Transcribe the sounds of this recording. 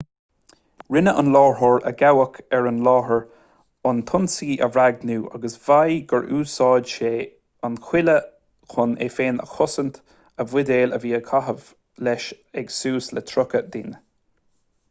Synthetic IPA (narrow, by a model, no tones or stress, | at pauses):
ɹɪnəʔə̰nlɑːɹhɔɹə̰ɡawəkʰɛɹənlɑːɦəɹ | ʊnt̪ʰʊnsiːʔə̰vɾaɡ̚nuːʔa̰ɡəsv̥ajɡəɹʔuːsɑːdʃeː | anxwɪlə | kʰʊnḛfeːnə̰xʊsənt̪ | əvwɪd̪eːləviːəkʰaɦəv | lɛʃ | ɛɡsuːslɛt̪ʰɾʊkəd̪ɪ̰n